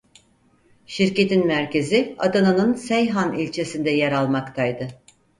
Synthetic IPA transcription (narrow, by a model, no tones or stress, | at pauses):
ʃiɾce̞t̪inmæɾce̞zia̰d̪ananɯnsɛjɦanilʲt͡ʃʰe̞sind̪ɛjɛɾalˠmakt̪ʰajd̪ɯ